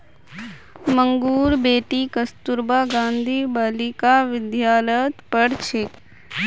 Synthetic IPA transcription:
məŋɡuːɾbeːʈiːkəst̪uɾbaːɡãːnd̪ʱiːbalikaʋɪd̪jaːlət̪pəɽt͡ʃʰɪk

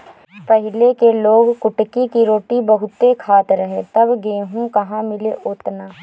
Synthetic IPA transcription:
pəɦɪlekeloːɡkʊʈkikiɾoːʈibɐɦʊt̪ekʰaːt̪ɾɐɦet̪ɐbɡeːɦũkɐɦãmɪleʔʊt̪naː

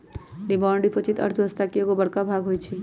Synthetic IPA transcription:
ɖibaɳɖipot͡ʃit̪ə̰ɾt̪ʰɦəst̪akeeɡobəɽkabʱaɡɦojt͡ʃʰi

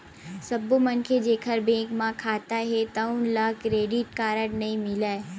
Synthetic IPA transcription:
sɐbomɐnkʰed͡ʒeːkʰəɾbẽːkmãkʰaːt̪aɦet̪ɐunlaːkɾeːɖɪʈ̚kaːɾəʈnɐĩmɪlae

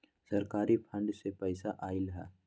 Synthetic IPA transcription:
sɐɾkaːɾipʰɐ̃ɳɖsepɛɪsaʔaːilɦɛː

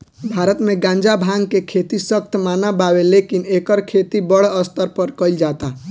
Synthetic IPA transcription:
bʱaːɾət̪mẽɡãːnd͡ʒabʱãŋɡkekʰet̪isək̚t̪ʰmaːnabaːwelekineːkəɾkʰet̪ibəɽəst̪əɾpəɾkəɪld͡ʒaːt̪a

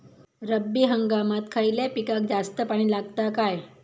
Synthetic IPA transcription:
ɾəbːiːɦəŋɡamat̪kʰaɭiljapikak̚d͡zast̪əpaɽ̃iːlaɡ̚t̪akaj

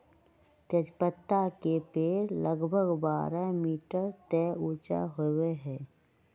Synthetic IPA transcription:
t̪əd͡ʒpət̪ːakepeːɾləɡbʱəɡbaːɾamiːʈəɾt̪ɛːuːt͡ʃa̰ɦoweɦɛ̃ː

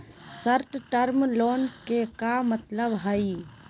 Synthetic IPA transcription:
səɾt̪ʈəɾmloːnkekamət̪ləbɦaːi

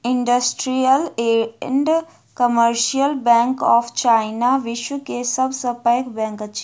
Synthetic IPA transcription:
iɳɖəsʈɾijəleɳɖ | kəməɾʃijəlbɛ̃ŋkɔpʰt͡ʃaɪnaʋiʃwukesəbsəpəjkbɛ̃ŋkət͡ʃʰ

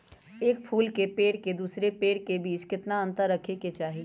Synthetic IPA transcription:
eːkpʰuːlkepeːɽked̪uːsɾepeːɽkebiːt͡ʃkɪt̪naɐ̃nt̪əɾːɐkʰeket͡ʃaːɦi

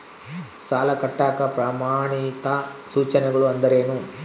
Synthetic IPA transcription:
saːlɐkɐʈːaːkɐpɾaːmaːɳit̪ɐsuːt͡ʃɐnɛɡɐɭuɐnd̪ɐɾe̞ːnu

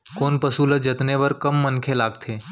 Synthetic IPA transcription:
koːnpəsuləd͡ʒɐt̪nebɐɾkəmːənkʰelaːɡ̚t̪ʰeː

